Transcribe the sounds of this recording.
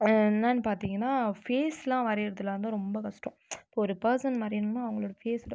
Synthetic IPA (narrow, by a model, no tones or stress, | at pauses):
nːaːɪnɐpaːɾt̪iːŋɡɐnːaːfeːslãːʋɐɾɐɾɐðɯlɐʋɐnd̪ɯ̃ɾɔmbɐkɐʂʈõpːoɔɾɯpɐɾsɐnmaːd̪ɾɪnɯnːãːɐʋɐŋɡɐɭoːɽɐfeːs